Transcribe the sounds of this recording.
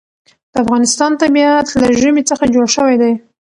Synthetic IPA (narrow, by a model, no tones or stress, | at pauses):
d̪̥əafɣɑnɪst̪ɑnt̪amjɑt̪laʒəmit͡səxad͡ʒoɽʃəwajd̪aj